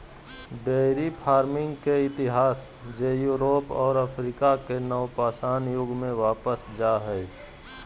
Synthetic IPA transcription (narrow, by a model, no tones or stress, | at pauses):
ɖeɾipʰaːɾmɪ̃ŋɡkeɪt̪ɪɦaːsd͡ʒejuːɾoːpɔːɾəpʰɾikakenəʊpaːsaːnjʊɡmẽʋaːpəsd͡ʒaːɦɛː